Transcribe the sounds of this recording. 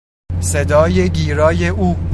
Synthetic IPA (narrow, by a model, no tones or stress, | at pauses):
se̞d̪ɒːje̞ɟiːɾɒːjeʔuː